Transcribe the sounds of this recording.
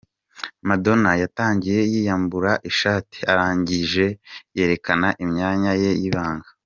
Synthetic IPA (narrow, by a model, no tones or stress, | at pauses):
mado̞najataːɲɟije̞jiːjambuɾaʔiʃaːti̥aɾaːɲɟiʒe̞je̞ːɾe̞kanaʔimɲaːɲaje̞jiβaːŋɡa